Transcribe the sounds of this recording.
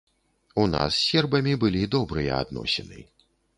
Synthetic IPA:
una̰sːʲɛrbɐmʲibɨlʲid̪ɔbɾɨjɐ̰a̰d̪nɔ̰sʲɛnɨ̰

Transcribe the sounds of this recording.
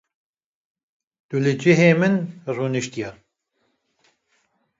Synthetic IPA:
d̪̥ulɨd͡ʒɪɦeːmɨnruːnɨʃt̪ijɑ

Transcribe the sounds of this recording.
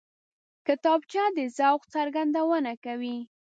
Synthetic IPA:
kɪt̪ɑbt͡ʃad̪əzawqt͡saɾɡand̪awənakawi

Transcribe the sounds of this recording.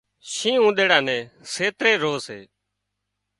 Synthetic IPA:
ʃĩːũːɗ̪eːɽãːnɛ̃ːseːt̪ɾeːɾoːsḛː

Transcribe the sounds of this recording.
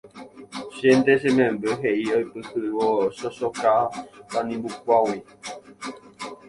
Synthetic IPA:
ʃend̪eʃ̬ẽmẽmbeɦeʔiojpɨhɨwoʃoʃokat̪anĩmbukʷawi

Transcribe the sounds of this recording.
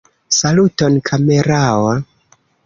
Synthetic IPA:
salutonkʰame̞ɾawa

